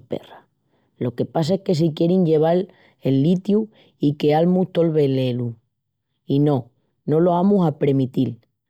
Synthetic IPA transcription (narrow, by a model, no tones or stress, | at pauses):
pḛra | lo̞ke̞pas̬aehke̞s̬ik̬je̞ɾiɲʝe̞β̞al | e̞lːit̪ju | ike̞almuht̪o̞lβe̞le̞lu | ino̞ | no̞lo̞amuɦapɾe̞mit̪il